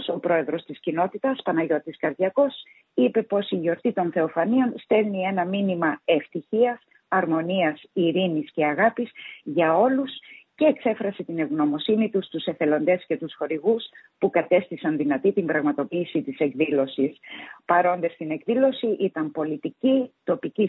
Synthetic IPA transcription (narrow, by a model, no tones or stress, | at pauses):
so̞pɾo̞e̞ðɾo̞st̪iscino̞t̪it̪ɐspɐnɐʝo̞t̪iskɐɾðʝɐko̞s | ipe̞po̞siʝo̞ɾt̪it̪o̞nθe̞o̞fɐnio̞nst̪e̞lnie̞nɐminimɐe̞ft̪içiɐs | ɐɾmo̞niɐsiɾinisce̞ɐɣɐpisʝɐo̞lusce̞ːkse̞fɾɐse̞t̪ineɣno̞mo̞sinit̪ust̪use̞fe̞lo̞nd̪e̞sce̞t̪usxo̞ɾiɣuspukɐt̪e̞st̪isɐnðinɐt̪it̪imbɾɐɣmɐt̪o̞piːsit̪ise̞kðilo̞sispɐɾo̞nd̪e̞st̪ine̞kðilo̞siʔit̪ɐmpo̞lit̪icit̪o̞pici